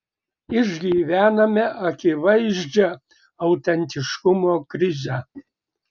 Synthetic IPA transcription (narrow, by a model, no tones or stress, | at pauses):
ɪʒʲɡʲiːʋʲæːnɐmʲɛʔɐkʲɪʋɐɪʒʲd͡ʒʲɛ | ɐʊt̪ʲɛnʲt̪ʲɪʃkʊmoːkɾʲɪzʲɛ